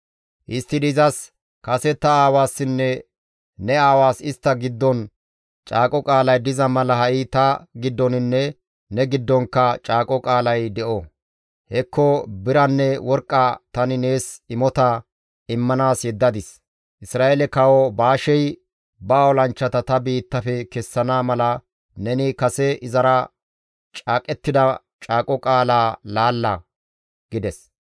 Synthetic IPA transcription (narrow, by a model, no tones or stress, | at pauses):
ʔɪst̪ːɪdɪzɐs | kɐsɛt̪ːɐaːwaːsːɪnːɛ | nɛaːwaːsɪst̪ːɐɡɪd̪ːɔn | t͡ʃʼaːkʼɔkʼaːlɐjd̪ɪzɐmɐlɐhɐʔit̪ɐɡɪd̪ːɔnɪnːɛ | nɛɡɪd̪ːɔŋkːɐt͡ʃʼaːkʼɔkʼaːlɐjd̪ɛʔɔ | hɛkːɔbɪɾɐnːɛwɔɾkʼːat̪ɐnɪne̞ːsɪmɔt̪ɐ | ɪmːɐnaːsjɛd̪ːɐd̪ɪs | ʔɪsɾaːʔɛlɛkɐwɔbaːʃɛj | baːwɔlɐnt͡ʃːɐt̪ɐt̪ɐbiːt̪ːɐfɛkɛsːɐnaːmɐlɐ | nɛnɪkɐsɛʔɪzɐɾɐ | t͡ʃʼaːkʼɛt̪ːɪd̪ɐ | t͡ʃʼaːkʼɔkʼaːlaːlaːlːɐ | ɡɪd̪ɛs